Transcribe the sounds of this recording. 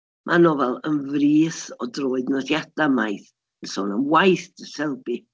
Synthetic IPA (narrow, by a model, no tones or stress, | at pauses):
mʔanɔvɛlˠənvriːθɔdroːɨdnəθjadamajθ | əsɔnəmwajθd̥əsɛlˠbi